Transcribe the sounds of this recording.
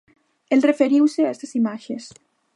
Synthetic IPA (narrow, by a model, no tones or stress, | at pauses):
elrefeɾiwseaest̪asimaʃes